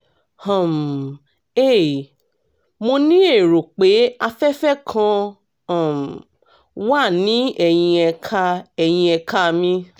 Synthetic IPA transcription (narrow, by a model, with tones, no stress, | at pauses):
hã˨m | e˦˨ | mo˧nĩ˦e˦˨ɾo˨k͡pe˨˦a˧fɛ˦fɛ˦kʰã˧ | ã˨m˨ | wa˦˨nĩ˨˦ɛ˨j̃ĩ˧ɛ˧kʰa˧ɛ˨j̃ĩ˧ɛ˧kʰa˦mĩ˧˦